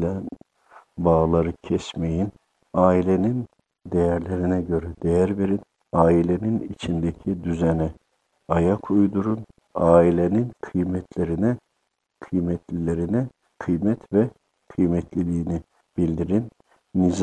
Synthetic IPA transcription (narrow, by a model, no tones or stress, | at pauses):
læn | baːlˠaɾɯcʰɛsmejin | aːilʲenin | d̪ejæɾlʲeɾinɛɟø̞ɾɛd̪ejæɾbiɾin | aːilʲeninit͡ʃʰind̪ecʰid̪yzɛnɛ | ajakʰujd̪uɾun | aːilʲeninkʰɯjmɛt̪ʰlʲeɾinɛ | kʰɯjmɛt̪ʰlʲilʲeɾinɛ | kʰɯjmɛt̪vɛ | kʰɯjmɛt̪ʰlʲilʲiːni | b̥ilʲd̪iɾinː | iz